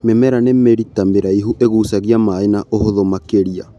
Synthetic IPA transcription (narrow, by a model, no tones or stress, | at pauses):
mɛmɛɾanɛmeɾitameɾaiɦuʔeɣuːsaɣiamaenaʔoɦoðomakeɾia